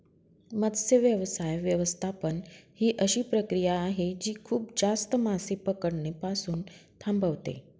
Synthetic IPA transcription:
mət̪seʋjəʋsajʋjəʋəst̪ʰapənhiːʔəɕiːpɾəkɾijaːɦed͡ʑiːkʰuːpd͡zast̪əmasepəkəɽnepasuːnt̪ʰãmbəʋt̪ḛ

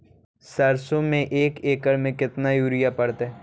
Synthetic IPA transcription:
sɐɾsõmẽʔeːkeːkəɾmẽkɪt̪najuːɾijapɐɽt̪ɦɛ

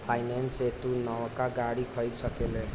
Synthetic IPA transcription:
pʰajnanseʈunʌwkaɡaɽikʰʌjksʌkele

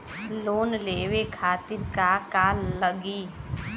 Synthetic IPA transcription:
loːnleːwekʰaːt̪ɪɾkakaːlːəɡi

